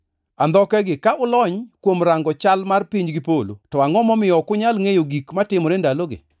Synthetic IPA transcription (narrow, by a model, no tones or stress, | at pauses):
and̪ɔkɛɡɪkaʔʊlɔɲkwomɾaŋɡɔt͡ʃalmarpiɲd͡ʒɡɪpolo̰tɔaŋɔmɔmɪjɔkʊɲalŋejoɡikmatɪmɔɾendaloɡɪ̰